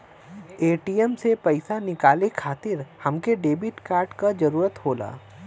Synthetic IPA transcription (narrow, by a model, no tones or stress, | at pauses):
eːʈiːəmsepɐɪsanɪkaːlekʰaːt̪ɪɾhɐmkeɖeːbɪʈkaːɾɖkad͡ʒɐɾuːɾət̪hoːla̰ː